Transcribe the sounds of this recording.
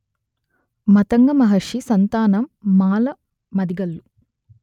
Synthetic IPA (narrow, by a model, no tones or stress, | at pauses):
mɐt̪ɐŋɡɐmɐɦɐɾʂisɐnt̪aːnɐmːaːlɐ | mɐd̪iɡɐlːu